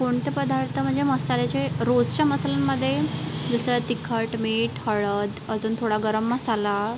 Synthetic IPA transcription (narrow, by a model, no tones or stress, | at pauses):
koɳt̪epəd̪ʱaɾt̪əm̤əɳd͡zeməsalet͡ɕeɾod͡zt͡ɕaməsalamːəd̪ʱːjed͡zəsət̪ikʰəʈmeʈhəɭəd̪əd͡zuːnt̪ʰoɽaɡəɾəmːəsala